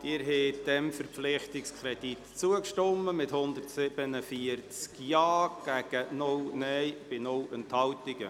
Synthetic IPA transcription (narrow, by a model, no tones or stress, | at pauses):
d̥ɪːɾɦɛːd̪ɛmfəɾpflɪχtɪkskʰɾɛd̥it̪t͡suəkʃtɔmːəmɪthʊnd̪ərtsɪb̥ənəfiərt͡skjɑːɡ̥æɡ̥ənʊwnɛjb̥ɪnʊwənt̪hɑwt̪iɡ̥ə̰